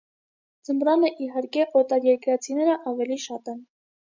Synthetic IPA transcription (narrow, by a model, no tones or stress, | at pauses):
d͡zəmɾɑnəʔiɦɑɾkɛʔɔt̪ɑɾjɛɾkɾɑt͡sʰinɛɾəʔɑvɛliʃɑt̪ɛn